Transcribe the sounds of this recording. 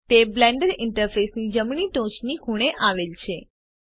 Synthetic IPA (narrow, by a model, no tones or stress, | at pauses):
t̪eblɛ̃ɳɖəɾɪɳʈəɾfesnid͡ʒəmɳ̃iʈõt͡ʃnikũɽ̃eʔaʋelt͡ʃʰe